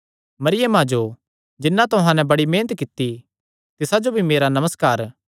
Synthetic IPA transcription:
mɐɾɪjəmɦãːd͡ʒo | d͡ʒɪnːãt̪ʊɦãnɛ̃bɐɽimeːnət̪kɪt̪ːi | t̪ɪsad͡ʒobʱimeːɾanɐməskaːɾ

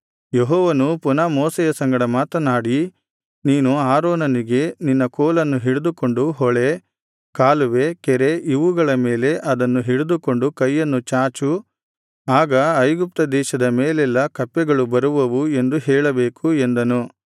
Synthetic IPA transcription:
jeɦɔːʋɐnupunaːmɔːsɛjɐsɐŋɡɐɽɐmaːt̪ɐnaːɽi | niːnuaːɾɔːnɐniɡe̞ninːɐkɔːlɐnːuɦiɭud̪uko̞ɳɖuɦɔɭe | kaːluʋe̞kɛɾeʔiʋuɡɐɭɐmeːle̞ʔɐd̪ɐnːuɦiɭud̪uko̞ɳɖukɐjːɐnːut͡ʃaːt͡ʃu | aːɡɐɐjɡup̚t̪ɐd̪ɛːʃɐd̪ɐmeːlɛlːɐkɐpːɛɡɐɭubɐɾuʋɐʋue̞nd̪uɦɛːɭɐbeːkuend̪ɐnu

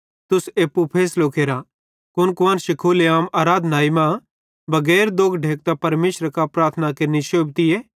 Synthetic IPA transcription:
t̪ʊseːpːupʰeːsloːkʰeːɾã | kʊnkʊʋãːnʃɪkʰoːleaːmaːɾaːd̪ʱnaːimã | bɐɡɛːɾd̪oːɡɖʱeːk̚t̪apɐɾmeːʃɾəkapɾaːɾt̪ʰənakɐɾniʃoːbt̪ieː

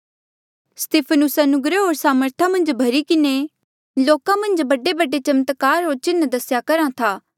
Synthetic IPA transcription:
st̪eːpʰənʊsɐnʊɡɾəɦoːɾsaːməɾt̪ʰãmɐ̃nd͡ʒbʱɐɾikɪne | loːkãmɐ̃nd͡ʒbɐɖebɐɖet͡ʃɐmt̪kaːɾɦoːɾt͡ʃɪnd̪ɐsjakɐɾãt̪ʰaː

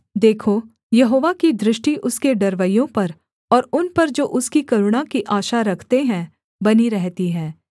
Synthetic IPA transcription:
d̪eːkʰo | jɐɦoːʋakid̪ɾɪʃʈiʔʊskeɖɐɾʋəjõpɐɾ | ɔːɾʊnpɐɾd͡ʒoːʔʊskikɐɾʊɽ̃akiʔaːʃaɾɐkʰt̪eɦɛ̃ | bɐniɾɛɦt̪iɦɛ̃ː

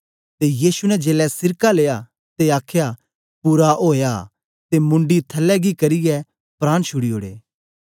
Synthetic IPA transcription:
t̪ejiːsunɛd͡ʒeːlɛsɪɾkaleːja | t̪eaːkʰja | puːɾaoːja | t̪emʊ̃ɳɖit̪ʰɐlːɛɡikɐɾɪjɛ | pɾaːɽ̃ʃʰʊɽioːɽḛː

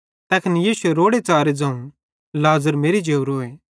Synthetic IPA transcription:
t̪ɛkʰənijiːsueɾoːɽet͡saːɾed͡zɐ̃ːũ | laːzəɾmeːɾid͡ʒeːʊɾoːeː

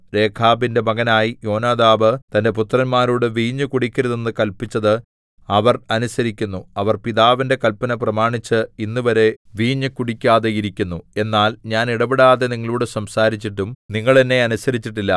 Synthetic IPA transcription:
ɾe̞ːkʰaːbinde̞mɐɡɐnaːjijo̞ːnaːd̪aːbɨt̪ɐnde̞p̬ut̪ːrɐnmaːɾuːɽɨʋiːɲːɨkuɽikʲːɐɾuðenːɨkɐlpit͡ɕːɐðɨ | ɐʋɐrɐnusɐɾikʲːunːuɐʋɐrpiðaːʋinde̞kɐlpɐnɐprɐmaːɳit͡ɕːɨinːuʋɐɾe̞ʋiːɲːɨkuɽikʲːaːðejiɾikʲːunːue̞nːaːlɲaːniɽɐbiɽaːðe̞niŋːɐɭuːɽɨsɐmsaːɾit͡ɕːiʈːumniŋːɐɭenːe̞ɐnusɐɾit͡ɕːiʈːilːɐ

